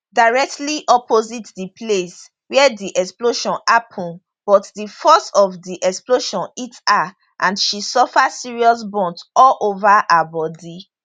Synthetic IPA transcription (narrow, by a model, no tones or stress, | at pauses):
daɹɛk̚tliʔɔpozitdiples | wɛɛdiʔɛksploʃɔ̃napʰɔ̃n | b̥ɔtdifɔstɔvdiʔɛksploʃɔ̃nita | ʔã̰ndʃisɔfasiɹiɔs̬bɔ̃ntɔlʔovaabɔdi